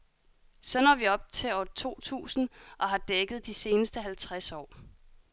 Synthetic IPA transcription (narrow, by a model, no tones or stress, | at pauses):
sɒ̽nɒ̰ːʋiɒ̽b̥̚t͡sʰe̝ɒːt͡sʰo̝̰ːt͡sʰṵːsn̩ʔɒ̽ɦɑ̈d̥eɡ̥ð̞̩ˠd̥ise̝ːnəsd̥əɦælt͡sʰʁasɒ̰ː